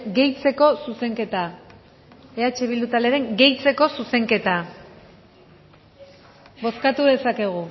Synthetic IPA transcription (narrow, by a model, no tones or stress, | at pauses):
ɡe̞jt͡se̞ko̞suse̞ŋke̞t̪a | e̞at͡ʃe̞βild̪ut̪aleɾe̞ŋɡe̞jt͡se̞ko̞suse̞ŋke̞t̪a | bo̞skat̪uðe̞sake̞ɣ̞u